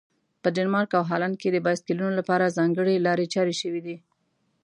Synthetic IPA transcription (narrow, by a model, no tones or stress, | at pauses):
pəɖanmɑɾkawɦɑlanked̪əbɑskɪlunolapɑɾazɑŋɡəɽelɑɾet͡ʃɑɾeʃəwid̪i